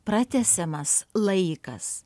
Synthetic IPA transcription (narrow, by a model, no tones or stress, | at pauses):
pɾɐt̪ʲæsʲɛmɐslˠɐɪkɐ̰s